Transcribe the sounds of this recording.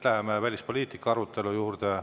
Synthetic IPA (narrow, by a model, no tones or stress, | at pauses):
læemevælʲispo̞lʲiːt̪ˑikːɑɑɾut̪ːˑe̞lujuːrd̪̥e